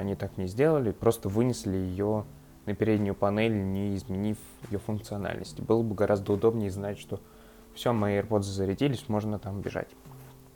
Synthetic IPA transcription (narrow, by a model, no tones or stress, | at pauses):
ɐnʲit̪aknʲɪzʲdʲe̞lˠəlʲɪpɾo̞st̪əvɨnʲɪsʲlʲɪjɪjo | nəpʲɪɾʲedʲnʲʊjʊpɐnɛlʲnʲɪɪzmʲɪnʲif | jɪ̰jofʊnkt̪sɨɐna̰lʲnə̰sʲtʲɪbɨlˠəbɨɡɐɾʔazd̪əʊd̪o̞bnʲɪjɪznatʲʂt̪o̞ | fsʲomɐərpo̞d̪zəzəɾʲɪtʲilʲɪsʲmo̞ʐnət̪ambʲɪ̰ʐa̰tʲ